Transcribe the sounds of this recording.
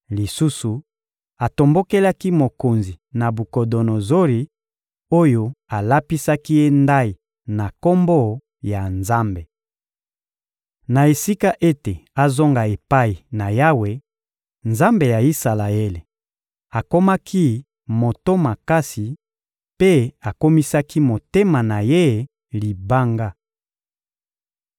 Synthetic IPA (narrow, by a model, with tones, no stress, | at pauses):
li˨su˦su˨ | a˨to˨mbo˦ke˦la˦ki˦mo˨ko˨nzi˨na˨bu˨ko˨do˨no˨zo˦li˨ | o˦jo˦a˨la˦pi˦sa˦ki˦je˦nda˦i˨ | na˨ko˦mbo˦ | ja˨nza˦mbe˨ | na˨e˨si˦ka˦ʔe˦te˨a˨zo˦ŋɡa˨e˨pa˦i˨na˨ja˦we˨ | nza˦mbe˨ja˨i˦sa˨la˨e˦le˨ | a˨ko˦ma˦kʰi˦ | mo˨to˦ma˨ka˦si˨ | pe˦a˨ko˦mi˦sa˦ki˦mo˨te˦ma˨na˨je˦ | li˨ba˦ŋɡa˦